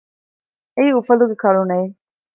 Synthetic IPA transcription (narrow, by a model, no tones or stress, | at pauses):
eiːufɐluɡekɐɭunɐi